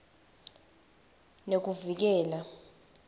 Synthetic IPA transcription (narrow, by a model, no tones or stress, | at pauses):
nek̬uvik̬ɛːla